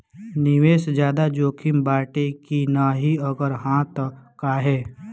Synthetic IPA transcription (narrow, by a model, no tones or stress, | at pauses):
nɪʋeːsd͡ʒjaːd̪ad͡ʒoːkʰɪmbaːʈekinaɦiəɡəɾɦãːt̪kaɦɛː